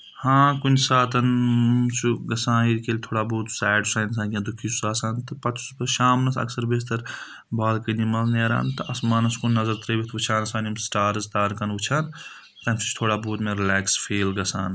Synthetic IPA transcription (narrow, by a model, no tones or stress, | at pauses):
hãːkunʲsaːt̪ɐnt͡ʃʰuɡɐsãːniɾkeːlʲt̪ʰoːɽaːbuːt̪saːɖusaːns̬aːkãd̪ukʰiːsu̥saːsaːnt̪ɨpɐt̪ʰspɐʃaːmnɐsɐ̰ksɐɾbeːs̬t̪ɐɾ | baːlkɐnimɐlneːɾa̰ːnt̪ɨʔɐsmaːnɐskunʲːɐzɐɾt̪ɾɐʋit̪ʰʋut͡ʃʰaːnɐsaːnimsʈaːɾzt̪aːɾkɐnʋut͡ʃʰaːn | t̪ɐmt͡ʃʰu̥t͡ʃʰt̪ʰoːɽaːbuːt̪mẽɾilɛːksfʰeːlɡɐsa̰ːn